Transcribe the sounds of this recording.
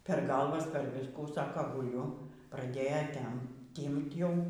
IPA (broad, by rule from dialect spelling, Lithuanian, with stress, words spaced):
pʲɛr ˈɡɐlˠʋɐs pʲɛr ˈʋʲɪskuː ˈsɑːkɐ ɡʊˈlʲʊ prɐˈdʲeːjɛ ˈtʲɛm ˈtʲiːmt ˈjɛʊ